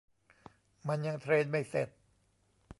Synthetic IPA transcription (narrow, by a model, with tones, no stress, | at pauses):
ma˧nja˧ŋt̪ʰɾeː˧nma˥˩jse˨˩t̪̚